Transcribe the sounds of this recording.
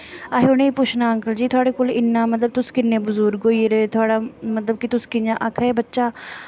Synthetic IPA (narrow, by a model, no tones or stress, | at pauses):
aːɦeʊnẽːpʊt͡ʃʰnaːəŋkəld͡ʒiːt̪ʰʊaːɽeːkoːlɪnːãːmət̪ləb̚t̪ʊskɪnːẽːbʊzʊːɾoːiːɾeːt̪ʰʊaːɽaːmət̪ləb̚kɪt̪ʊskɪnãːʔəkʰɛːbətːʃaː